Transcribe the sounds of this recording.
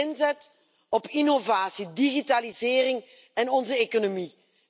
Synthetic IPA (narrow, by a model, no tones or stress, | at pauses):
ɪnzɛt | ɔpinovaːsidiɣitalizɪːrɪŋ | ɛnɔnzəekonomi